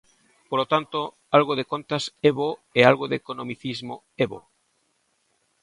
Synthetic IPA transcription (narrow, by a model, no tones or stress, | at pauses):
polot̪ant̪o | alɣoðekont̪aseβoealɣoðekonõmiθizmo | eβo̰